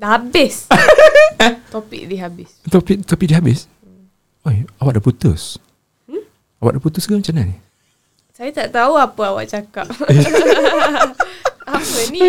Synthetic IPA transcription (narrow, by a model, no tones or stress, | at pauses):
daɦabɪs | t̪opḭk̚diɦabɪst̪ɔpik̚t̪ɔpik̚diɦabɪs | ɔjawaʔ̚dəput̪ṵs̩ | awaʔdəput̪usɡamat͡ʃanani | sajat̪aʔt̪auapəawa̰ʔt͡ʃakap̚ | apəni